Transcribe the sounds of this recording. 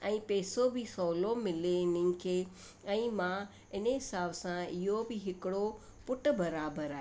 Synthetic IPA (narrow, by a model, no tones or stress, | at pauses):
ɛ̃ːpɛːsobʱɪsoːlomɪlenɪ̃nkʰe | ɛ̃ːmã | ɪnəɦɪsaːbsãɪɦobɪɦɪkɪɽo | pʊʈ̆bɐɾaːbəɾaːɦ